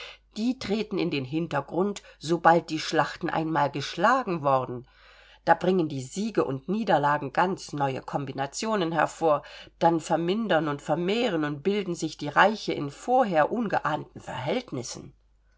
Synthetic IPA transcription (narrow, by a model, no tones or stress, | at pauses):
d̥iːtʁ̥eːtn̩ɪndeːnɦɪntɐɡʁʊntz̥obalt̚d̥iːʃlaχtn̩ʔa̰ɪnmaːlɡəʃlaːɡŋ̩vɔɐdn̩ | d̥aːbʁɪŋəndiːziːɡəʔʊ̰ntniːdɐlaːɡŋ̩ɡant͡snɔʏə̰kʰɔmbinat͡sjoːnənɦɛɐfoːɐd̥anfɛɐmɪndɐnʊntfɛɐmeːʁ̞ənʊnt̚b̥ɪldn̩zɪçd̥iːʁaɪçəɪ̰nfoːɐɦeːɐʔʊnɡəʔaːntn̩fɛ̰ɐɦɛltnɪsn̩